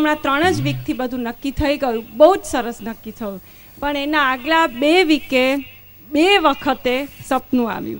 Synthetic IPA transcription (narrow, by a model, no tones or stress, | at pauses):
mɳ̃at̪ɾəɽ̃əd͡ʒʋik̚t̪ʰibəd̪ʱũnəkːit̪ʰəiɡəjũbəɦud͡ʒsəɾəsnəkːit̪ʰəjũ | pəɳenaːɡlabeʋike | beʋəkʰət̪esəpnũa̰ʋjṵ̃